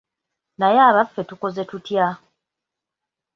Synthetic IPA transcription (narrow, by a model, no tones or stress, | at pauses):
najaːβafːe̞tuko̞ze̞tutja